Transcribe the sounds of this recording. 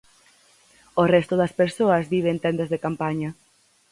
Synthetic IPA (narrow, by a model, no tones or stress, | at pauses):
orɛst̪ʊðɐspeɾsoɐzβiβent̪ɛnd̪ezðekampaɲɐ